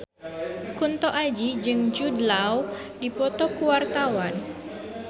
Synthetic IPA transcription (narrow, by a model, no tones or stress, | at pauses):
kunt̪ɔʔad͡ʒid͡ʒɨŋd͡ʒudlaw | dipɔt̪ɔkuwart̪awan